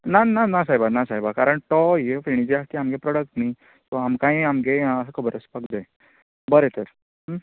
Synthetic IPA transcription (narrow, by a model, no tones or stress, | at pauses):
nananasajbanasajbakaɾəɳt̪ɔjefiɳ̃id͡ʑeast̪iamɡepɾɔɽək̚ʈnai | t̪ɔamkãĩamɡeskʰəbəɾəspəkd͡zae | bəɾet̪əɾ | ɦ